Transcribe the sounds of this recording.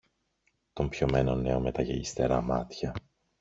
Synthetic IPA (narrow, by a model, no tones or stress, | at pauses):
t̪o̞mpço̞me̞no̞nːe̞o̞me̞t̪ɐʝeist̪e̞̰ɾɐmɐ̰t̪çɐ